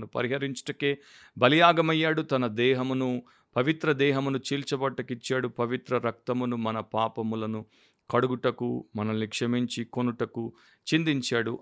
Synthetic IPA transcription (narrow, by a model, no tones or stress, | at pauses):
nupɐ̰ɾiɦɐɾiɲt͡ʃɐ̥ʈɐke̞ː | bɐlijaːɡɐmɐjːaːɽut̪ɐnɐd̪ɛːɦɐmunu | pɐʋit̪ɾɐd̪ɛːɦɐmunut͡ʃiːlt͡ʃɐbɐʈːɐkit͡ʃːaːɽupɐʋit̪ɾɐɾɐk̚t̪ɐmunumɐnɐpaːpɐmulɐnu | kɐɽuɡuʈɐkṵmɐnɐlikʂɐmiɲt͡ʃikonuʈɐku | t͡ʃind̪iɲt͡ʃaːɽu